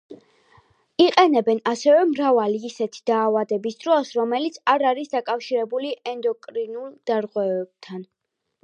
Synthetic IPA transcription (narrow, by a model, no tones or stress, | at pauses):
iqʼɛnɛbɛnasɛvɛmɾavaliːsɛt̪ʰi̥d̪̥aːvad̪ɛbisd̪ɾɔsɾɔmɛlit̪sʰaɾaɾisd̪akʼafʃiɾɛbuliʔɛnd̪ɔkʼɾinulˠd̪̥aɾʁwɛvɛb̥̚t̪ʰan